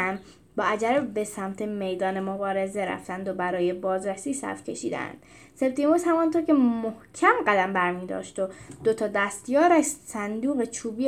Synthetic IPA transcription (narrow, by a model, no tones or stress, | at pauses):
æn | bɒːʔæd͡ʒæɾebe̞sæmt̪ʰeme̞jd̪ɒːnemobɒːɾe̞zeɾæ̰ft̪ænd̪obæɾɒːjebɒːzɾæsiːsæ̰ɾfcʰe̞ʃḭːd̪æ̰nd̪̥ | se̞b̚d̪imoshæmɒnt̪ʰoɾcʲʰe̞mohcʰæmɢæd̪æmbæɾmiːd̪ɒ̰ːʃt̪od̪̥ot̪ʰɒːd̪æst̪jɒːɾæʃsænd̪uːɣet͡ʃʰuːbiː